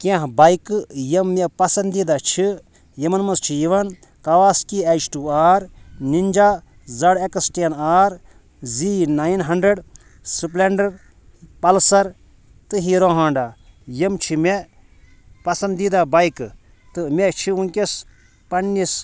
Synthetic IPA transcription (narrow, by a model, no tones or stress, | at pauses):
kãɦbajkɨjɐmːepɐsɐnd̪id̪at͡ʃʰi | jimɐnmɐst͡ʃʰijiʋɐn | kɐʋaːskiɐt͡ʃʈuːaːɾnind͡ʒaː | zɐɽeksʈenaːɾ | ziːnaːjnɦɐɳɖɾeɖ | sɨp̬leɳɖɐɾ | pɐlsɐɾ | t̪ɨɦiːɾõːɦãːɳɖaːjɐmt͡ʃʰimʲe | pɐsɐnd̪id̪aːbajkɨ | t̪ɨmʲet͡ʃʰiunkʲes | pɐnːis